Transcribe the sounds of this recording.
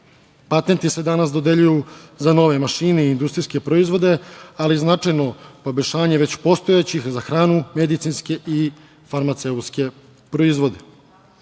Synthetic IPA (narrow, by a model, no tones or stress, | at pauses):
pat̪ent̪ise̞d̪anasd̪o̞d̪eʎujuzano̞ʋe̞maʃiːneiːnd̪ust̪ɾiske̞pɾo̞izʋo̞d̪e̞aliznat͡ʂajno̞po̞beʃaːɲeʋe̞t͡ɕpo̞st̪o̞et͡ɕixzaxɾaːnume̞d̪it̪sinske̞ʔi | faɾmat̪seut̪ske̞ | pɾo̞izʋo̞d̪e̞